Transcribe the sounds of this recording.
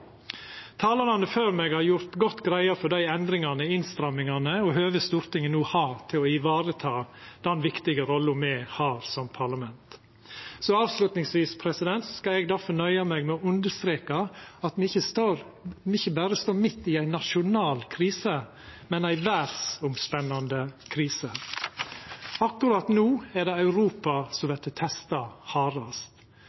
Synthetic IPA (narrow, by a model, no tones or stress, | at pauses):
t̪ʰɑːləlɑnəføːɾmɛɡhɑɾjʊɾt̪ɡɔt̪ːɡɾæɪəfɔɖ̪æɪɛnd̪ɾɪŋɑnəɪnst̪ɾɑmːɪŋɑnəɔɦøːʋəst̪uːɾt̪ɪŋənuːhɑːɾt̪ʰɪlɔɪʋɑːɾət̪ʰɑːd̪̥ɛnʋɪkt̪ɪɡəɾɔlːʊmɛhɑːɾsɔmpʰɑɭɑmɛnt̪ | sɔɑːʋslʉt̪nɪŋsʋiːspʰɾɛsɪd̪ɛnt̪sɔskɑlɛɡd̪æɾfɔnœʏɑmɛɡmɛɔʉnd̪əst̪ɾeːkɑɑt̪mɛɪçəsɾ | ɪçːəbæːɾəst̪oːɾmɪt̪ːɪæɪnɑʃʊnɑːlkʰɾiːsə | mɛnæɪʋæɾsʊmspɛnːɑnd̪əkʰɾiːsə | ɑkːʉɾɑːt̪nuːæɖ̪ɛɑʉɾuːpɑsɔmʋɛt̪ət̪ʰɛst̪ɑhɑːɾɑst̪